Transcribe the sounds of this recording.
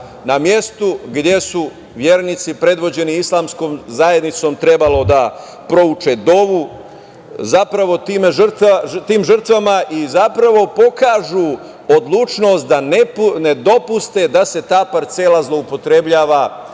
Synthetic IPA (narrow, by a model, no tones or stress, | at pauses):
namje̞st̪uɡd̪je̞su | ʋje̞ːɾnit̪sipɾe̞d̪ʋo̞d͡ʑe̞niislˠaːmsko̞ːmzaje̞d̪nit̪so̞ːmt̪ɾe̞balo̞d̪a | pɾo̞ut͡ʃe̞d̪o̞ʋu | zapɾaʋo̞t̪iːmeʒrt̪at̪iːmʒərt̪ʋamaʔizapɾaʋo̞po̞kaːʒu | od̪lˠuːt͡ʃno̞st̪̚d̪anene̞d̪o̞pust̪e̞d̪ase̞t̪aːpaɾt̪se̞lazlˠo̞upo̞t̪ɾe̞bʎaːʋa